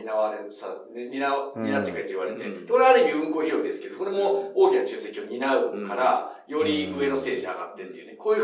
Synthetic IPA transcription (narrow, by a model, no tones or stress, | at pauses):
inaβaɾesa | eɲinaɲʲinat̪ːekait̪oiβaɾe̞t̪ed̪̥ekoɾeaɾebʲiɯ̟̃ŋko̞ːçiɾo̞id̪e̞sɨ̥ke̞d̪oso̞ɾe̞mo̞oːkʲinat͡ɕɨːse̞kʲio̞ɲ̟inaɯ̟kaɾajo̞ɾʲiɯ̟e̞no̞st̪e̞ːʑia̰ɡa̰t̪ːet̪ejɯ̟neko̞ːjɯ